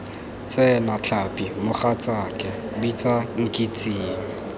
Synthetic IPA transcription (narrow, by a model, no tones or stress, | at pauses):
t͡sʼɛnat͡ɬʰapʼimʊχat͡sʼakʼɛbit͡sʼaŋ̩kʼit͡sʼiːŋ̩